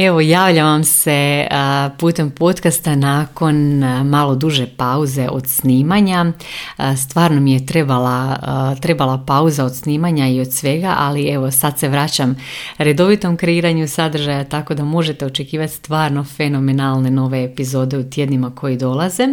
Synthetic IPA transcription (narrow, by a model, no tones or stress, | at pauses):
e̞ʋo̞jaːʋʎaʋamse̞ | puːt̪e̞mpo̞t̪kast̪anaːko̞nmalˠo̞d̪uʒe̞pauze̞ʔo̞̰d̪sniːmaɲa | st̪ʋaːɾno̞mije̞t̪ɾe̞balat̪ɾe̞balˠapauzao̞d̪sniːmaɲaio̞d̪sʋe̞ɡaʔalie̞ʋo̞sad̪se̞ʋɾat͡ɕamɾe̞d̪o̞ʋit̪o̞mkɾe̞iːɾaɲusad̪r̩ʒajat̪ako̞d̪amo̞ʒe̞t̪e̞o̞t͡ʃe̞kiːʋat̪ʲst̪ʋaːɾno̞fe̞no̞me̞nalˠne̞no̞ʋe̞ːpizo̞ːd̪e̞ut̪je̞d̪nimakʰo̞jid̪o̞lˠaze